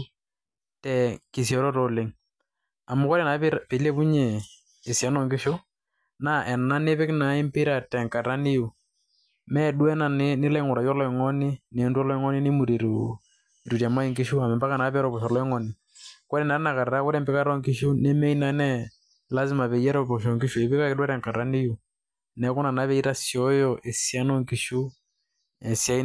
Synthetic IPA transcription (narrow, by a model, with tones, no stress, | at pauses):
tɛ˨ki˨s̬jɔ˨ɾɔ˦tɔ˨lɪ˦ŋ | a˨mʊ˦kɔ˦ɾɛ˨na˨˦pɪ˦ɾpɪ˨le˦pu˦ɲeː˨ | si˨ɛ˨˦nɔ˦˨ŋkɪ˦ʃʊ˦ | na˦ʔɛ˨na˦ne˦pɪ˦kna˨˦ɪ˦mpɪ˦ɾa˨tɛ˨ŋka˨ta˦nɪ˦ju˨ | mɛ˦du˦ɛ˦na˨nɪ˦nɪ˦la˦ɪ˦ŋʊ˨ɾa˨jɔ˦lɔ˦ɪ˨ŋɔ˦nɪ˦ne˨˦ntɔ˦lɔ˦ɪ˦ŋɔ˦nɪ˦nɪ˦mu˨ɾi˨ɾu˨ | ɾu˨ɾja˨ma˦i˦˨ŋɡi˦ʃu˦a˨mɛ˨mba˦ka˨na˨˦βɛ˦ɾɔ˨βɔ˨ʃɔ˨lɔ˦i˦ŋɔ˨ni˨ | kɔ˦ɾɛ˨na˨ɾe˦na˨ka˨ɾa˨ɾa˦kɔ˦ɾɛ˦˨mpe˦ka˦ɾɔ˦ŋki˦ʃu˦ne˦mɛ˦i˦na˨˦nɛ˦ | la˦zi˦ma˨βɛ˨jɛ˦ɾɔ˦βɔ˨ʃ̬ɔ˨ŋɡi˦ʃu˨e˨βe˦ka˦ɛ˦dwɛ˦ɾɛ˨ŋka˨ta˦ni˦ju˨ | nɛ˨˦ku˦na˨na˦βɛ˦i˦ɾa˦sjɔ˨˦jɔ˨ʔe˨sja˦nɔ˦ŋki˨ʃu˦ | ɛ˨sja˦i˦